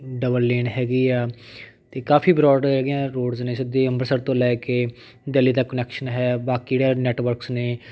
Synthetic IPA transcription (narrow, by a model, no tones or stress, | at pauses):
ɖəbəɾleːnɦɛːɡiːɛː | t̪eːkaːpʰiːbɾɔːɖɦɛːɡijãːɾoːɽzneːsɪd̪eːəmbəɾsəɾt̪õːlɛːkeː | d̪eːliːd̪aːkənɛːkʃənɦɛːbaːkiːɽaːnɛːʈʋəɾksneː